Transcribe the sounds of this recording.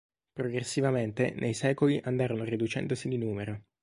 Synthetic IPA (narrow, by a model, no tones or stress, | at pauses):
pɾoɡɾesːivament̪ḛnʔejsɛːkoliʔand̪aːɾonorid̪ut͡ʃɛ̰nd̪osid̪inuːmeɾo